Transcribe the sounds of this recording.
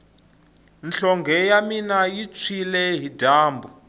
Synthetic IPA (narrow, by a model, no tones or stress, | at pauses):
nɬɔŋɡʱɛjaminajit͡sʰwilɛɦidʱaːmbʱu